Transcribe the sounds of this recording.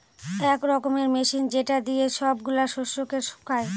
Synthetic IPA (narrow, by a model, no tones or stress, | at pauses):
ɛkɾɔkomeɾmeʃind͡ʑeʈad̪ijeʃɔbɡulaʃoʃːokeɾʃu̥kʰae